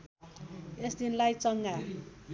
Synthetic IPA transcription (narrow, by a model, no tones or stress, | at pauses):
esd̪inlajt͡sʌŋɡa